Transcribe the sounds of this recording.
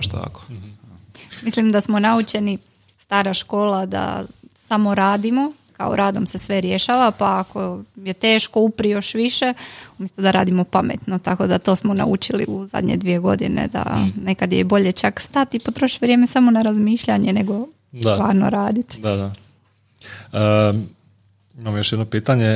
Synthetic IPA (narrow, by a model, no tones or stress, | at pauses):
ʃt̪a̰ko̥ | mislimd̪asmo̞naut͡ʃe̞ni | st̪aːɾaʃko̞ːlad̪a̰samo̞ɾaːd̪imoka̰o̰ɾaːd̪omse̞sʋe̞ɾje̞ʃaːʋapaːko̞je̞t̪e̞ːʃko̞upɾijo̞ʃʋiʃe̞umʲjest̪ud̪aɾa̰ːd̪imo̞pamḛt̪not̪ako̞d̪at̪o̞smo̞na̰ṵt͡ʃilḭuza̰d̪ɲḛd̪ʋije̞ɡo̞d̪ine̞̰d̪a̰ne̞kad̪jebo̞ʎet͡ʃakst̪at̪ipot̪ɾoʃi̥ʋɾjeːme̞samonaɾazmiːʃʎaɲene̞ɡo̞ | ʋaːɾno̞̰ɾaːd̪it̪d̪ad̪a | ə | imamjoʃjed̪nopiːt̪aɲe